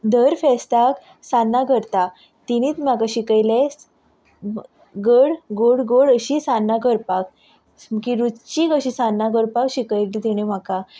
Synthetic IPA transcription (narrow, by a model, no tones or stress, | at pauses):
d̪ʱəɾfɛst̪ak | sanːaɡəɾt̪a | t̪iñiːt̪m̤akaɕikəjles | ɡəɽɡoɽɡoɽəɕisanːaɡəɾpak̚ | mkiɾut͡ɕikəɕisanːaɡəɾpakɕikəjlid̪iɽ̃em̤aka